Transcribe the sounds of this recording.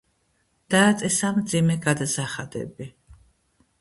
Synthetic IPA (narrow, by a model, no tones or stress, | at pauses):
d̪̥aːt̪sʼɛsamd̪zimɛɡad̪asaχad̪ɛ̰bi